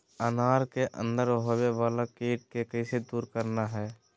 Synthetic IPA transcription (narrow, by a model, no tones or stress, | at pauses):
ənaːɾkeʔə̰̃nd̪əɾɦoːʋeʋaːlakeːʈ̚kekəised̪uːɾkəɾnaɦɛː